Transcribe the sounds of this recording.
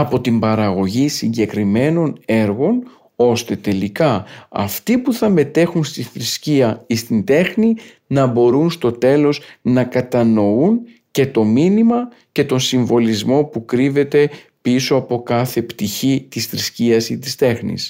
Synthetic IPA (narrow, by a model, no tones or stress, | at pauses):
ɐpo̞t̪imbɐɾɐɣo̞ʝisiɲɟe̞kɾime̞no̞ne̞ɾɣo̞n | o̞st̪e̞t̪e̞likɐɐ̰ft̪ipuθɐme̞t̪e̞xunst̪iθɾisciɐist̪ind̪e̞xni | nɐbo̞ɾunst̪o̞t̪e̞lo̞snɐkɐt̪ɐno̞un | ce̞t̪o̞minimɐ | ce̞t̪o̞nsiɱvo̞lizmo̞pukɾive̞t̪e̞ | piso̞ɐpo̞kɐθe̞pt̪içit̪isθɾisciɐsit̪ist̪e̞xnḭs